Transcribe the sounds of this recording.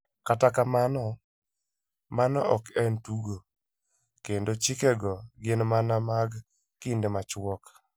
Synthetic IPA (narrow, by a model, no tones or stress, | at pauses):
katakamanɔ | manɔɔkɛntuɡo | kendot͡ʃɪkɛɡɔɡɪnmanamaɡ | kindemat͡ʃwɔk